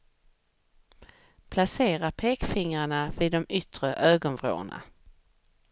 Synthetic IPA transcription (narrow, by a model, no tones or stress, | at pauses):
pʰlaseːɾapʰeːkfɪŋɾaɳavɪd̪ɔmʏt̪ɾəʔøːɡɔnvɾo̰ːɳa̰